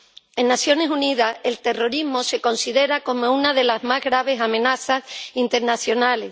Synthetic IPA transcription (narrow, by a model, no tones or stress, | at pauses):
e̞nːasjo̞ne̞suniðae̞lt̪e̞ro̞ɾizmo̞se̞ko̞nsiðe̞ɾako̞mo̞unaðe̞lazmazɣɾaβ̞e̞samẽ̞naθasint̪e̞ɾnaθjo̞nale̞